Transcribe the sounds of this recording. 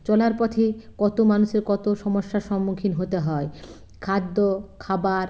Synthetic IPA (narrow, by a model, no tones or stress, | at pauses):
t͡ɕɔlaɾpɔt̪ʰekɔt̪omanuʃeɾkɔt̪oʃɔmoʃːaʃɔmːukʰinɦot̪eɦɔe | kʰad̪ːokʰabaɾ